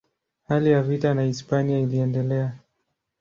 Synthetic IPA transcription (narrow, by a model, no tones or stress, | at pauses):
halijavitanaispaniailiɛndɛlɛa